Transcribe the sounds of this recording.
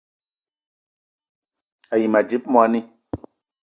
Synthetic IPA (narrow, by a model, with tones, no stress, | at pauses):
a˨ji˨ma˨d͡ʒi˦p̚m˦a˧˦ni˦